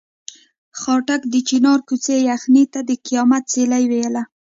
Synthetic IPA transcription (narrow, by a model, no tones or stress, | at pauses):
xɑʈakd̪ət͡ʃinɑɾkut͡sejaxnit̪ad̪əqijɑmat̪̚t͡selajwejala